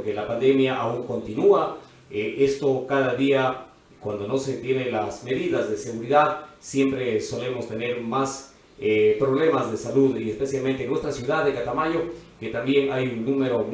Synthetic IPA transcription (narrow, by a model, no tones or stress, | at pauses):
kelapand̪e̞mjaʔauŋko̞nt̪inua | ʔe̞st̪o̞kaðaðia | kwand̪o̞no̞se̞t̪je̞ne̞lasme̞ðiðazðe̞se̞ɣuɾiðaðsje̞mpɾe̞so̞le̞mo̞st̪e̞ne̞ɾmas | epɾo̞βle̞mazðe̞saluðiespe̞sjalme̞nt̪enwe̞st̪ɾasjuðaðekat̪amaɲo̞ke̞t̪ambje̞ŋajunnũme̞ɾom